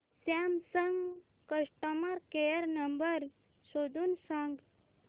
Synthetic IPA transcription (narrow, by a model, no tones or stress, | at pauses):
samsəŋɡ | kəʂʈəməɾkejəɾnəmbəɾ | sod̪unsəŋɡ